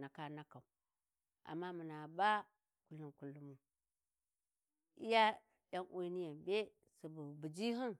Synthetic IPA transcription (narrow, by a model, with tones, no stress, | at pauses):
na˨ka˦na˦ka˨u˨ | a̰˨mːa˦mu˨na˨ba˦ | ku˨lu˨nku˨lːu˦mu˨ | ḭ˦ja˦ | ja˦ŋʔu˦ni˦ja˨mbe˦ | su˨bu˨bu˨d͡ʒi˦ɦi˦n